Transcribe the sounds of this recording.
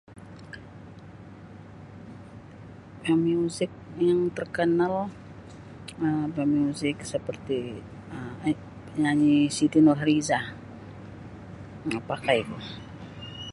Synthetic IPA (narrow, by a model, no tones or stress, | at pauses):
bamiuzɪk̚jaŋt̪ərkənal | əmbamiuzɪksəpərt̪i | ə | ɲaɲisit̪inɔlɦaɾizah | apakaiku